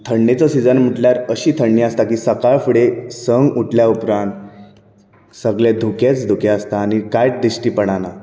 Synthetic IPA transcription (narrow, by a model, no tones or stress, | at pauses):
t̪ʰəɳːet͡səsid͡zənm̤əʈljaɾəɕiːt̪ʰəɳːiːəst̪akiːsəkaɭfɽesəŋɡuʈljaupɾãnt̪ | səɡled̪ʱuket͡sd̪ʱukeəst̪aːñikajʈ̚d̪isʈiːpəɽ̃ana